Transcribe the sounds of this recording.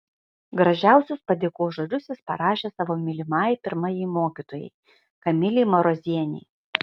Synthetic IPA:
ɡɾɐʒʲæˑʊsʲʊspɐd̪ʲeːkoːʒoːlʲʊsʲɪspɐɾɑːʃʲeːsɑːʋoːmʲɪlʲɪmɑːjpʲɪɾmɐjɛɪmoːkʲit̪oːjɛ̰ɪ | kɐmʲɪlʲɪːmɐɾozʲiɛnʲɛ̰j

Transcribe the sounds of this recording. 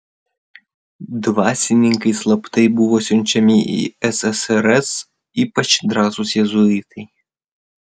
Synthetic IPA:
d̪ʋasʲinʲɪŋkɐjslˠɐpt̪ɨjbuwɔsʲɔnʲt͡ʃʲɐmʲiʔḭɛsɛsɛɾɛs | ipɐt͡ʃd̪ɾazʊsʲjɛzʊit̪ɨj

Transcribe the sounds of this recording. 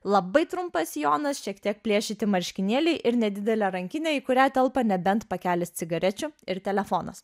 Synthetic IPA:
lˠɐbɐɪt̪ɾʊmpɐsjoːnɐsʃʲiɛkt̪ʲiɛk̚pʲlʲiɛʃʲɪt̪ʲɪmɐɾʲʃʲkʲɪnʲiɛlʲɛɪʔɪɾnʲɛd̪ʲɪd̪ʲɛlʲɛːɾɐŋʲkʲɪnʲɛːɪkʊɾʲæːt̪ʲɛlˠpɐnʲɛbʲɛnt̪pɐkʲæːlʲɪst̪sʲɪɡɐɾʲɛt͡ʃʲʊɪɾt̪ʲɛlʲɛfoːnɐ̰s

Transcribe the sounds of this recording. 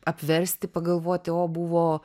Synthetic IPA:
ɐpʲʋʲɛɾʲsʲt̪ʲɪpɐɡɐlˠʋoːt̪ʲɪoːbuʋoː

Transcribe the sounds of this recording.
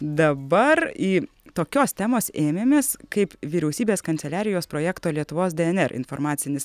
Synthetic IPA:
d̪ɐbɐɾiː | t̪oːkʲoːst̪ʲæːmoːseːmʲeːmʲeːskɐɪpʋʲiɾʲɛʊsʲiːbʲeːskɐnt̪sʲɛlʲæːɾʲɪjoːspɾoːjæːkt̪oːlʲiɛt̪ʊʋoːsd̪ʲɛɛnʲɛɾʔɪ̰nfo̰ːɾmɑːt̪sʲɪnʲɪs

